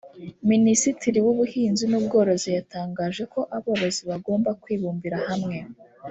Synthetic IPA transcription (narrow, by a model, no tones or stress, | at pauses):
minisitiɾiwuβuhiːnzinuːbɡo̞ːɾo̞zijataːŋɡaʒe̞ko̞ʔaβoːβo̞ziβaɡo̞ːmbakwiːβuːmbiɾahamŋe̞